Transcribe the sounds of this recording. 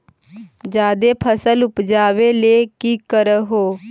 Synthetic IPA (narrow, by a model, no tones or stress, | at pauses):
d͡ʒaːd̪eːpʰəsəlʊpd͡ʒaːʋeːleːkiːkəɾəɦoː